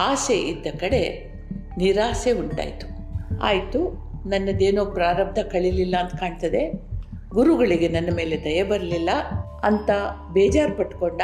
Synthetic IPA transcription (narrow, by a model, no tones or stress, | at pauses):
aːseʔid̪ːɐkɐɽe̞ | niɾaːseuɳʈa̰ːjt̪u̥ | a̰ːjt̪u | nɐnːɐd̪e̞ːnoːpɾaːɾɐb̚d̪ʱɐkɐɭililːɐːnt̪ɐkaːɳt̪ɐd̪e̞ | ɡuɾuɡɐɭiɡe̞nɐnːɐme̞ːled̪ɐjɐbɐɾɐlilːɐ | ɐnt̪ɐ | bɛːd͡ʒaːɾpɐʈko̞ɳɖ